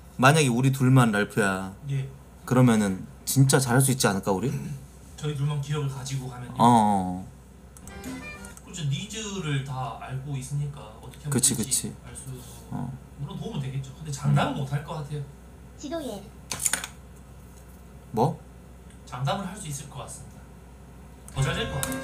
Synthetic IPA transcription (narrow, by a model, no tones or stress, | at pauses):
maɲaɡeuɾit̬uɭmanɾaɭpʰujaje | kɯɾʌmjʌnɯn | t͡ɕint͡ɕ͈at͡ɕaɦaɭs̬͈uit̚t͡ɕ͈ianɯɭk͈auɾi | t͡ɕʌit̬uɭmankijʌɡɯɭkad͡ʑiɡokamjʌna | kɯɾt͡ɕʰonid͡ʑɯɾɯɭtaaɭɡois͈ɯɲik͈aʌt͈ʰʌkʰekɯt͡ɕʰikɯt͡ɕʰiaɭs͈u | oʌ̰ | uɾʌnnomudwe̞ɡe̞t̚t͡ɕ͈okɯndet͡ɕaŋdamɯɭmotʰaɭk͈ʌk͈atʰe̞jo | mwʌ | t͡ɕaŋdamɯɭɦaɭs͈uis͈ɯɭk͈ʌk͈ats͈ɯmɲida | tʌd͡ʑaɾiɭk͈ʌka